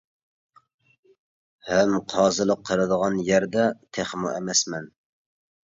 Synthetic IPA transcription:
hɛmqʰɑːzɨlˠəqʰːəɾɨd̪əʁɑnjæɾd̪ɛt̪ʰeχmuɛmɛsmɛn

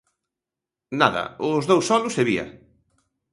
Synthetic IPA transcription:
naðɐ̰ʊzðowsɔlʊseβiɐ̰

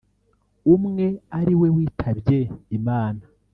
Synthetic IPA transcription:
umŋe̞aɾiwe̞wiːtʰaβje̞imaːna

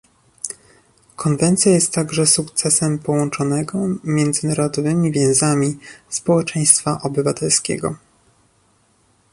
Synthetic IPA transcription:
kʰɔnvɛnt̪sʲjajɛst̪ːaɡʐɛsukt̪sɛsɛmpɔwɔnt͡ʂɔnɛɡɔmʲjɛnd̪zɘnaɾɔd̪ɔvɘmʲivʲjɛ̃w̃zamʲispɔwɛt͡ʂɛj̃st̪faʔɔbɘvat̪ɛlskʲɛ̰ɡɔ̰

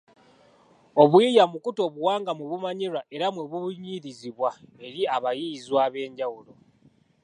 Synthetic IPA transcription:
o̞βwijamukuto̞ːβuwaːŋɡamweβumaɲiɾaʔe̞ɾamweβuβuɲiɾiziβwae̞ɾiaβajizwaːβe̞ːɲɟawulo̞

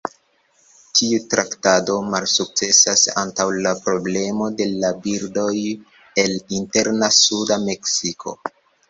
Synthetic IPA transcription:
tʰiutɾaktado̞malsuk̚t͡se̞sasa̰ntawlapɾo̞ble̞mo̞de̞labiɾdo̞j | e̞linte̞ɾnasudame̞ksikʰo̞̰

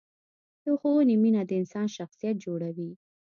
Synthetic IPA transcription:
joxouniminad̪əɪnsɑnʃaxsijat̪̚d͡ʒoɽawi

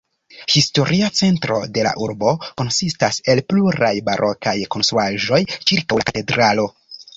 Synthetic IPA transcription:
histo̞ɾʔiat͡se̞ntɾo̞̰de̞la̰ʔuɾbo̞ko̞nsistase̞lpluɾajbaɾʔo̞kajko̞nstɾuaʒo̞jt͡ʃiɾkawlakate̞dɾalo̞

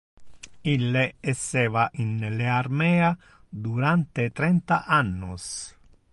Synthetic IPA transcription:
ilːeɛsːɛːvaʔinlearmɛːa | d̪uɾant̪et̪ɾɛnt̪aʔanːus

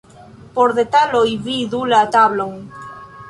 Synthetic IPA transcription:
poɾðet̪alojβiðulaat̪aβloŋ

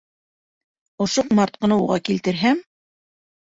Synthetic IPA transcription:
ŏʃoqmɑɾt̪̚qɤ̆nɤuʁɑ̰kilt̪ɘ̆ɾɦæm

